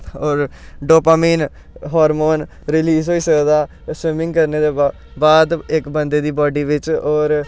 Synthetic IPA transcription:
ɔːɾ | ɖoːpaːmiːn | ɦɔːɾmoːn | ɾɪliːsɦoiːsəkd̪aː | swɪmɪ̃ŋɡkəɾneːd̪eː | baːd̪ɪkbənd̪eːd̪iːbaːɖiːʋɪt͡ʃɔːɾ

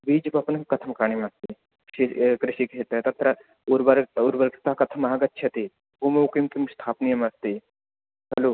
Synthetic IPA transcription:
biːd͡ʒpɐpnkɐt̪ʰɐmkaːɳ̃imeast̪i | ʃikɾɪʃikʃʰet̪ɐt̪ɐt̪ɾɐ | ʊɾbɐɾʊɾbɐɾkt̪akɐt̪ʰəmaɦɐɡɐt̪ːt͡ʃʰɐt̪i | umɐukimkimst̪ʰaːpnijɐmɐst̪i | ɦɐloː

